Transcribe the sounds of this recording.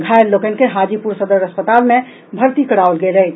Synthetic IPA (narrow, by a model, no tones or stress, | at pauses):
ɡʱaːelokənkeɦaːd͡ʒipuɾsəd̪əɾəspət̪aːlmẽ | bʱəɾt̪ikəɽaolɡeɾəi